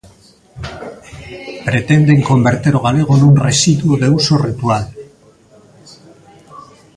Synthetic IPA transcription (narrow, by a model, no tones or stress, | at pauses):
pɾe̞t̪e̞nd̪e̞ŋko̞mbe̞ɾt̪eɾo̞ɣ̞ale̞ɣ̞onunresiðuoðe̞uso̞rit̪ual